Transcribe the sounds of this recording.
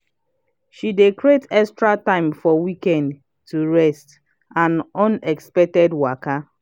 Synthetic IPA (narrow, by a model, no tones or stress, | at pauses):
ʃidekɹetɛkstɹatãɪ̃mfɔwikɛ̃nd | tuɹɛst | ãnɔ̃nɛkspɛk̚tɛdwaka